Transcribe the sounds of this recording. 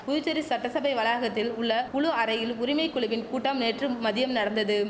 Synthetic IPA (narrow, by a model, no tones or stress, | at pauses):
pʊðʊt͡ʃːɐɾisɐʈːɐsɐbɐɪʋɐlaːɣɐt̪ːɪlʊɭːɐʊɭʊɐɾɐjɪlʊɾɪmɐɪkːʊɭʊʋɪnkuːʈːɐmneːʈrɯmɐðɪjɐmnɐɽɐnd̪ɐðɯ